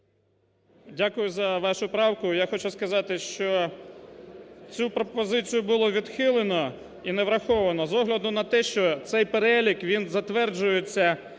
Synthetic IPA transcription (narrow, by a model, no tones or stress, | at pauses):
dʲakʊjʊzɐʋɑʃʊpɾɑwkʊjaxɔt͡ʃʊskɐzɑt̪ɪʃt͡ʃɔ | t͡sʲupɾɔpɔzɪt͡sʲijʊbʊlˠɔʋʲid̪xɪlˠenɔ | ineʋɾɐxɔʋɐnɔzɔɦlʲɐd̪ʊnɐt̪ɛʃt͡ʃɔt̪sɛjpeɾɛlʲikʋʲinzɐt̪ʋɛrd͡ʒʊjet͡sʲːɐ